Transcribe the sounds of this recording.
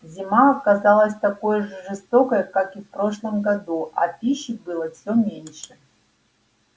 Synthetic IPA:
zʲimaɐkɐzalˠəsʲt̪ɐko̞jʐɨʐɨst̪okəjəkakifpɾo̞ʂlˠəmɡɐd̪uɐ̰pʲiɕːɪbɨlˠəfsʲomʲenʲʂɨ

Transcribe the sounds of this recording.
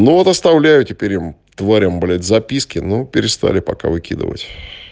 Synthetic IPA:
nuvot̪ɐst̪ɐvlʲæjʊtʲɪpʲeɾʲɪm | t̪vaɾʲəmblʲɪt̪ʲzɐpʲiskʲɪnopʲɪɾʲɪst̪a̰lʲɪpɐka̰vɨkʲḭd̪ɨ̰və̰tʲ

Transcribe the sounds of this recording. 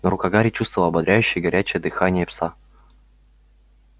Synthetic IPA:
nəɾʊkɐɡaɾʲɪt͡ɕust̪vəvəlˠɐbɐd̪ɾʲæjʉɕːɪjəɡɐɾʲæt͡ɕɪjəd̪ɨxanʲɪjəpsa

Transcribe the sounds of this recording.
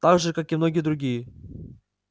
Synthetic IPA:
t̪aɡʐɨkakɪmnoɡʲɪjəd̪ɾʊɡʲijə

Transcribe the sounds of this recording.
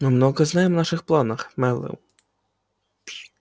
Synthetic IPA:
mɪmnɔɣɐznɑjemnaʃɪxplˠanɐxmɛlˠɪ̰w

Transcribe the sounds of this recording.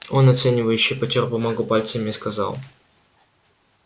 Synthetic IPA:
o̞nɐt̪sɛnʲɪvəjʉɕːɪjpɐtʲɪrpɐmɐɡʊpalʲt̪səmʲɪskɐzɑ̰lˠ

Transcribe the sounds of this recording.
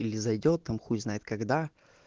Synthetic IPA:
ilʲɪzɐjdʲot̪ːamxutʲznajɪt̪̚kɐɡd̪a

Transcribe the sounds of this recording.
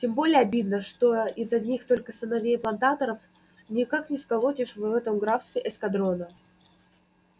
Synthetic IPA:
tʲembo̞lʲɪjəɐbʲid̪nəʂt̪o̞ɪzɐnʲixt̪o̞lʲkəsənɐvʲejplˠɐnt̪at̪əɾəf | nʲɪkaknʲɪskɐlˠotʲɪʂvɛt̪əmɡɾafsʲɪʔɛskɐd̪ɾo̞nə

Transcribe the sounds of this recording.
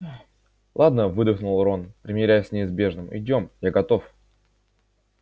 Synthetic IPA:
lˠad̪nəvɨd̪əxnʊlˠɾonpɾʲɪmʲɪɾʲæjʊsʲnʲɪɪzbʲe̞ʐnɨmɪ̰dʲo̞mjaɡɐt̪o̞f

